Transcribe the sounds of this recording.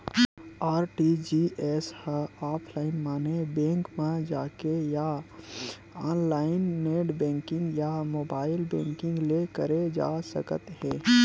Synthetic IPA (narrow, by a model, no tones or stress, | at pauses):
aːɾʈid͡ʒiʔɛːshəaːpʰlaːɪnmaːnebɛ̃ːŋkmãd͡ʒaːkeja | aːnlaːɪnːeːɖbɛ̃ːŋkɪ̃ŋɡjamoːbaːɪlbɛ̰̃ːŋkɪ̃ŋɡlekəɾed͡ʒa̰ːsə̰kət̪ɦɛ̃ː